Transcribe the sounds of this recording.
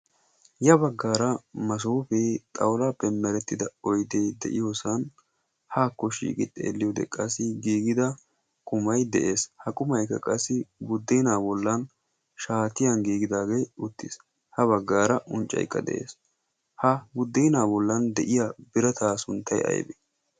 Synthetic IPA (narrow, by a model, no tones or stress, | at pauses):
jɐbɐɡːaːɾɐmɐs̬oːfɛt̪ʼɐwlɐpɛmːɛɾɛt̪ːɪd̪ɐɔjd̪eːd̪ɛ̰ʔɪjosɐn | haːkːɔʃḭːkʼɪt̪ʼːḛːlːɪjod̪ɛ̰kʼɐsːɪɡiːɡɪd̪ɐ | kʼʊmɐjd̪ɛʔe̞ːshɐkʼʊmɐjkːɐkʼɐsːɪbʊd̪ːɛːnaːbɔlːɐn | ʃaːt̪ɪjɐnɡiːɡɪd̪aːɡejʊt̪ːɪs | hɐβɐɡːaːɾɐʔʊnt͡ʃʼːɐ̰jkːɐ̰d̪ɛ̰ʔḛːs | hɐbʊd̪ːiːnaːbɔlːɐnd̪ɛʔɪjabɪɾɐt̪ʰaːsʊnt̪ːɐjɐ̰jbḛ